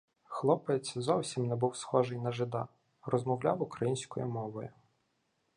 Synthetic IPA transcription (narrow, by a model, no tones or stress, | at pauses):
xlˠɔpet͡sʲzɔwsʲimnɛbuwsxɔʒɪjnɐʒɪd̪ɑ | rɔzmɔwlʲɑwʊkɾɐjinʲsʲkɔjʊmɔʋɔjʊ